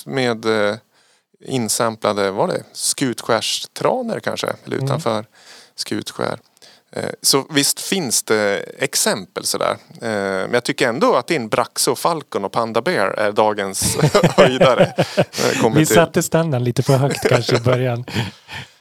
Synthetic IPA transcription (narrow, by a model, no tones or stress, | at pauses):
meːd̪ | ɪ̰nːsɛmplad̪əvaɖɛ̰skʉ̟ːt̪ɧæːʂt̪ʰɾɑːnəɾkʰa̰nʂə̰ɛlːəɾʉ̟t̪ʰanfœːɾ | skʉ̟̰ːt̪ɧæ̰ːɾ | sɔvɪst̪fɪnsd̪ɛɛksɛmpəlsɔd̪æ̰ːɾmɛnjaɡt̪ʰʏkːəɾɛnd̪oat̪̚d̪ɛnbɾʔaksʊɔfalkʊnɔpʰand̪abeːɾæ̰ɖɑːɡənsviːd̪aɾə | kʰɔmːvɪssat̪ːəst̪and̪ənliːt̪əfœɦœkt̪kʰanʂəɪbœɾjan